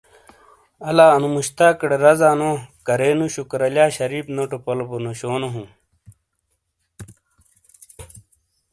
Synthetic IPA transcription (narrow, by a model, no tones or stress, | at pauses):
ɐlaːɐnumuɕt̪aːkɽeɾɐzaːnokɐɾeːnuɕukɾɐlaːɕɐɾiːpnoʈupɐloponoɕoːnoɦũ